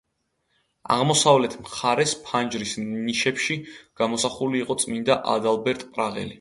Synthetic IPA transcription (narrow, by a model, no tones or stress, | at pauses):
a̰ʁmɔsavlɛt̪ʰmχaɾɛspʰand͡ʒɾisniʃɛpʃiɡ̥amɔsaχuliːqʼɔt̪sʼmind̪aʔa̰d̪alˠbɛɾt̪ʼpʼɾaʁɛ̰li